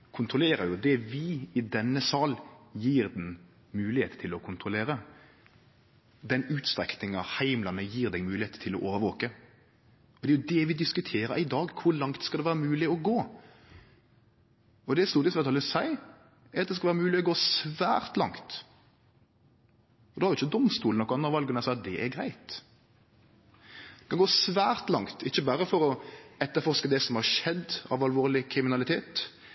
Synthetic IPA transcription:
kʰʊnt̪ɾʊleːɾəɾjʊd̪ɛʋɪɪd̪ɛnːəsɑːljiːɾd̪n | mʉːlɪheːt̪t̪ʰɪlɔkʰʊnt̪ɾʊleːɾə | d̪ɛnʉːt̪st̪ɾɛknɪŋɑhæɪmlɑnəjiːʁd̪ɛɡmʉːlɪheːt̪t̪ʰɪlɔʔoːʋəɾʋoːkə | ɔd̪ɛæjʊd̪ɛʋɪd̪ɪskʉt̪ʰeːɾəɾɪd̪ɑːɡkʰʊɾlɑŋt̪skɑd̪ɛʋæːɾəmʉːlɪɔɡoː | ɔd̪ɛst̪uːɾt̪ɪsmæt̪ʰɑlːəsæɪ | æɾɑt̪̚d̪ɛskɑlʋæɾəmʉːlɪɔɡoːsʋæːɾt̪lɑ̰ŋt̪ | ɔd̪oɑhɑɾjʊɪçːəd̪ɔmst̪uːln̩ɔkːɑnɑʋɑlɡənæsɑt̪̚d̪ɛʔɛɾɡɾæ̰ɪt̪ | d̪ɛkʰɑnɡoːsʋæːɾt̪lɑŋt̪ʰɪçːəbæɾəfɔɾɔɛt̪ːəɾfɔɾʂkəd̪ɛsɔmhɑʂɛd̪ɑ̰ʋɑlʋoːʁlɪkʰɾɪmɪnɑlɪt̪ʰeːt̪

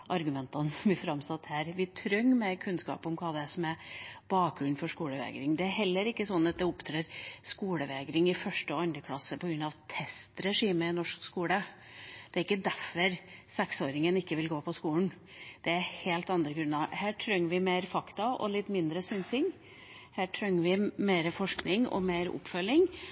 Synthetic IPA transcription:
ʔɑɾɡʉmɛnt̪ɑnsbɪfɾɑmsɑt̪hæːɾʋɪt̪ʰɾœŋːmɛɾkʰʉnskɑ̰ːpɔmkʰɑːd̪ɛsɔmæb̥ɑːk̚ɡɾʉnfɔʂkuːləʋḛːɡɾɪŋd̪ɛæɾɦɛlːəɾɪkːəsɔnːɑt̪̚d̪ɛʊpt̪ʰɾeːɾskuːləʋeːɡɾɪŋɪfœʂʈəɔɑnd̪əkʰlɑsəpʰɔɡɾʉnɑʋt̪ʰɛst̪ɾɛʂiːməɪnɔʂkskuːlə | d̪̥ɛæɾɪkːəd̪æɾfɔɾsɛksoːɾɪŋənɪkːəʋɪlɡoːpʰɔskuːln̩ | d̪̥ɛæɾheːlt̪ɑnd̪ɾəɡɾʉnːɑhæːʈʰɾœŋːəʋɪmeːɾfɑkt̪ɑʔɔ̰lɪt̪ːmɪnd̪ɾəsʏnsɪŋ | hæːʈʰɾœŋːəʋɪmeːɾəfɔʂknɪŋɔ̰meːɾʊ̰pːfœlːɪŋ

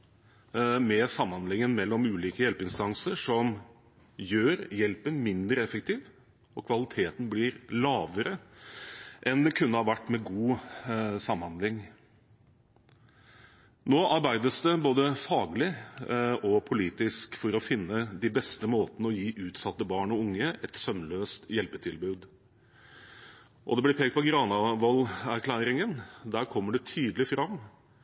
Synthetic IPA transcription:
mɛsɑmːɑnlɪŋːənmɛlːɔmʉːliːkəjɛlpəɪnst̪ɑŋsəʂɔm | jøːɾjɛlpənmɪnd̪ɾəɛfək̚t̪ʰiːʋ | ɔkʰʋɑlɪt̪ʰeːt̪n̩blɪːɾlɑːʋəɾə | ʔɛnd̪ɛkʰʉnːəhɑːʋæʈːmɛɡuː | sɑmːɑnd̪lɪŋ | noːʔɑɾbæɪd̪əsd̪ɛboːd̪əfɑːɡlɪ | ɔpʰʊliːt̪ɪskfɔɾɔfɪnːəd̪ɪbɛst̪əmoːt̪nəɔjiːʔʉːt̪sɑt̪ːəbɑːɳɔʊŋːəʔɛt̪sœmløːst̪jɛlpət̪ʰɪlbʉːd̪ | ʔɔ̰d̪ɛblɪɾpʰeːɡ̚t̪pɔɡɾɑːnɑʋɔlæɾkʰlæːɾɪŋənd̪æːɾkʰɔmːəɖɛt̪ʰyːd̪əlɪfɾɑmː

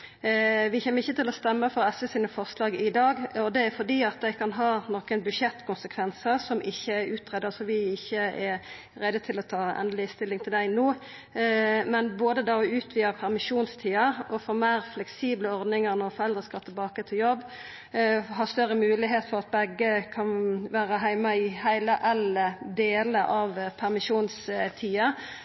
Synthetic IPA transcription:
ʋɪçeːməʁɪçːət̪ɪlɔst̪ɛmːəfɔʁɛsəsiːnəfɔʁslɑːɡɪd̪ɑːɡɔd̪ɛæɾfɔɾd̪iːɑt̪̚d̪æɪkʰɑnɦɑːnɔkənbʉʃɛt̪ːkʰʊnsəkʰʋɛnsəʁsɔmʔɪçːəæɾʉːt̪ʁɛd̪əsɔʋɪɪçːəɛ | ɾɛd̪ːət̪ʰɪlɔt̪ʰɑːɛ̰nd̪lɪst̪ɪlːɪŋt̪ʰɪld̪æɪnoː | mɛnboːd̪əd̪ɑːɔʉːt̪ʰʋiːəʁpʰæʁmɪʃuːnst̪ʰiːɑɔfɔmæɪʁflɛksiːbləɔɾd̪nɪŋəʁnɔʁfɔʁɛld̪ʁəskɑt̪ʰːɪlbɑːkət̪ʰɪljɔbː | ɦɑst̪œɾəmʉːlɪɦeːt̪fɔʁɑt̪̚bɛɡːəkʰɑnʋæːɾəɦæɪməɪhæɪləʔɛləd̪eːləʔɑʋpʰæʁmɪʃuːnst̪ʰiːɑ

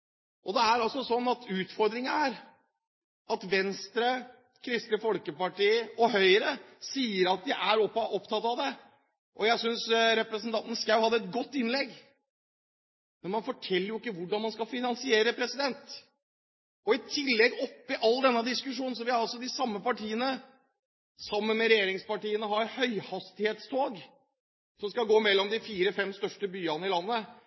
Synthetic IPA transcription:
ʔɔd̪ɛæɾɑlsɔsɔnːɑt̪ʰʉːt̪fɔɾd̪ɾɪŋəæɾ | ɑt̪ʋɛnst̪ɾə | kʰɾɪst̪ɾəfɔlkəpɑʈiːəɔɦœʏɾəsiːəɾɑt̪̚d̪ɪʔæɾɔpːɑɔpt̪ʰɑt̪ːɑʋd̪ɛ | ʔɔjæɪsʏnsɾɛpɾəsnt̪ɑnt̪n̩skɑʉhɑd̪ːɛt̪ɡɔt̪ːɪnlɛɡː | mɛnmɑnfɔʈʰɛlːəɾjʊɪkːəʋʊɖɑnmɑnskɑfɪnɑnsɪeːɾəpʰɾɛsɪd̪ɛnt̪ | ɔɪt̪ʰɪlːɛɡɔpːɪʔɑlːd̪ɛnːəd̪ɪskʉʂ̬uːn̩s̬ɔʋɪhɑɾɑlsɔd̪ɪsɑmːəpɑʈʰiːənə | sɑmːənmɛɾɛjeːɾɪŋspɑʈiːənəɦɑɾhœʏhɑst̪ɪheːt̪st̪ʰoːɡ | sɔmskɑɡoːmɛlːɔmd̪ɪfiːɾəfɛmst̪œʂʈəbyːɑnəɪlɑnːə

